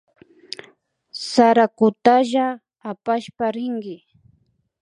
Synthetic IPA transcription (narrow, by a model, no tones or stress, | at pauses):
saɾakʊt̪aʒaː | paʃpaɾɪŋɡɪ